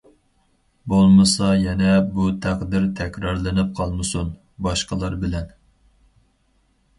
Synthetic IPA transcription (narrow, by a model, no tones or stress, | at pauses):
bolˠmɨsɑjɛnɛbut̪ʰæqd̪ɪɾt̪ʰɛkʲɾɑɾlˠɨnɨp̚qʰɑlˠmɨsun | bɑʃqəlˠɑɾbɪlɛn